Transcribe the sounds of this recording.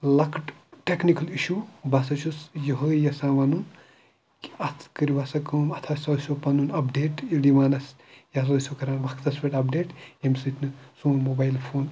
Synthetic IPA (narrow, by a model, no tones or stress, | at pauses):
lɐkʈʈeknikɐliʃuːbɐsɐt͡ʃʰusjɐɦojɐsãːʋɐnun | kɐt̪ʰkəɾiʋɐsɐkɐmɐt̪ʰɐsɐsʲopɐnunɐpɖeːʈiliʋaːnɐs | jas̬ɐsʲokɐɾaːnbɐkʰt̪ɐspʲeʈɐpɖeːʈemsɨt̪ʰnɨsuːmoːbaːjilpʰoːn